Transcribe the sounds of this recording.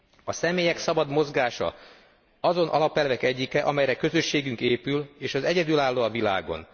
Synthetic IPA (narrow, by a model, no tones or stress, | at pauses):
ɒsɛmeːjɛksɒbɒd̪mo̞zɡaːʃɒ̰ | ɒzo̞nʔɒ̰lɒpɛlvɛkɛɟːikɛʔɒmɛjɾɛkø̞zø̞ʃːeːɡyŋkeːpyleːʃɒzɛɟɛd̪ylaːlːoːɒvila̰ːɡo̞̰n